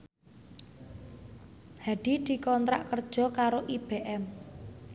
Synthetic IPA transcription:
haɖ̪̥i̤d̪̥i̤kɔnt̪ɾa̰ʔkərd̥ʒ̥ɔ̤kaɾoʔib̥eʔɛm

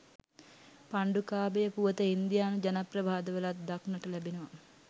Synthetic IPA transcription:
paɳɖukaːbejəpuʋət̪əind̪ijaːnud͡ʒanaprɐʋaːd̪əʋəlat̪̚d̪aknəʈəlæbenəʋa

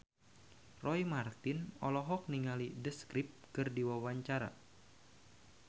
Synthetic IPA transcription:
rʔɔjmart̪ɪnɔlɔɦɔk̚niŋalidəskɾɪp̚kɨrdiwawaɲt͡ʃaɾa̰

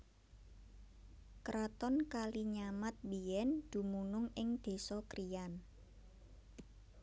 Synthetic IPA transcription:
kɾɔt̪ɔnkaliɲamat̪̚bijɛnd̪̥ṳmunʊŋɪŋd̪̥e̤sɔkɾijan

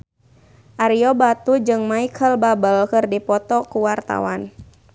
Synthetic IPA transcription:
ʔaɾiɔbat̪ud͡ʒɨŋmaikʰəlbabəlkɨrdipɔt̪ɔkuwart̪a̰wan

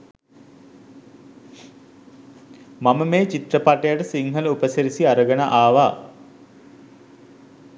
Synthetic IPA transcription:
maməmeːt͡ʃit̪rəpaʈejaʈəsiŋɦələupəseɾisiaɾəɡənaʔaːʋaː

